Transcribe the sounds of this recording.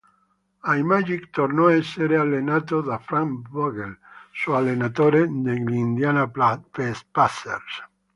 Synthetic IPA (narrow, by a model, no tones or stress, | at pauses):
ajmaʒikt̪oɾnoeseɾealenat̪oðafɾamboɣelsualenat̪oɾed̪elind̪janafespasḛɾs